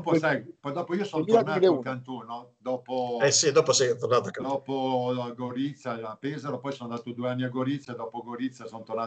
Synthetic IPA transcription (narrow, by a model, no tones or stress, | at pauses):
posajpɔjd̪ɔːpoiosɔnnot̪rnaːkant̪uːnod̪ɔːpoɛsid̪ɔːposɛjt̪ornaːt̪akːadd̪ɔːpoaɡoɾit̪sːaapeːzeɾopɔjsonnd̪aːt̪od̪ueanːiaɡoɾit̪sjad̪ɔːpoɡoɾit̪sːjasont̪ornaː